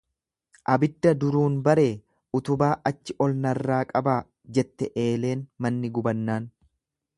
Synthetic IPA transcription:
ʔɐbɪd̪ːɐd̪ʊɾuːnbɐɾe̞ː | ʊt̪ʊbaːʔɐt͡ʃːɪʔɔlnɐrːaːkʼɐbaː | d͡ʒɛt̪ːɛʔe̞ːle̞ːnmɐnːɪɡʊbɐnːaːn

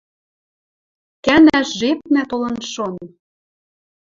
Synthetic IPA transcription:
kænæʃʒep̚næt̪olɤ̆nʃon

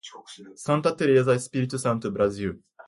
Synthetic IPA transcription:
sãnt̪at̪ːeɾjazaisɨ̥pʲiɾʲit̪ːosãñt̪obɯ̟ɾaziɯ

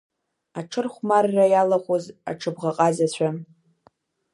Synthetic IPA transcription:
aʈ͡ʂʰɨrχʷmarːajalaχʷoza̰ʈ͡ʂʰɨbʁaqʼazat͡ɕʷʰa

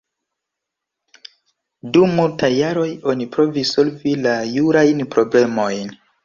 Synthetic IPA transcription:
dumultajːaɾo̞jo̞nipɾo̞viso̞lvilajuɾajnpɾo̞ble̞mo̞jn

